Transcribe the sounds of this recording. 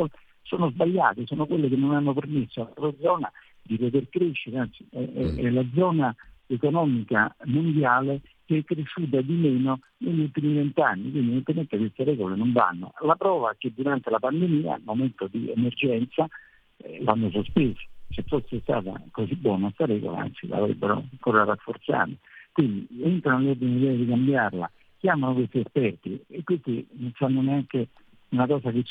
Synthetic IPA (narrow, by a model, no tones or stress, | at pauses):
soːnʊzbaʎːa̰ːt̪esɔːnokwelːekenːonanːʊpermesːoalɾod̪zɔːna̰ | d̪ipot̪̬erkɾeʃːeɾeansiɛɛɛlad̪zɔːnaekonɔːmikamond̪jaːle | k̟eɛkːɾeʃːuːt̪̬ad̪imɛːno | neʎːult̪imivɛnt̪anːik̬wind̪ivent̪ement̪ekwɪst̪erɛɡolenoɱva̰nːo̰lapɾɔːvak̟ed̪uɾant̪elapand̪emiːa̰lmoment̪od̪iḛmerd͡ʒɛnt̪sa | la̰nːos̬ospeːsḁt͡ʃɛfːosest̪a̰ːt̪a̰kosibːwɔːnast̪aɾɛɡo̰la̰a̰nt̪sila̰vɾḛbːeɾo̰aŋkoːɾarafːort̪sa̰ːɾekwind̪ḭent̪ɾanleɔrd̪ineid̪ɛːjad̪ikambjarla̰ | k̟jaːmanʊkwest̪iespɛrt̪iekːwest̪innsanːʊneaŋke | unakɔːsakɪt͡ʃ